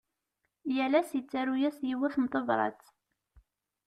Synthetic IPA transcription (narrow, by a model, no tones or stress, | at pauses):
jælæsjət͡sːæɾujæsjiwæθmt̪ˤəvˤɾˤɑ̰t͡sː